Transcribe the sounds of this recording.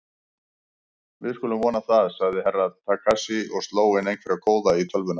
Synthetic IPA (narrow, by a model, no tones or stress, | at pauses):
vɪðskʏːlʏmvɔːnaθaðsaɣðɪɦɛrːaðt̪ʰakʰasɪɔɣst̪loːwɪnejnkʰvɛɾakʰoːwðait̪ʰœlvʏna